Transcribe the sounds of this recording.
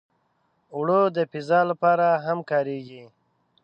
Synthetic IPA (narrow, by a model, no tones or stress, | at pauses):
wɽod̪əpizɑlapɑɾaɦamkɑːɾeɡi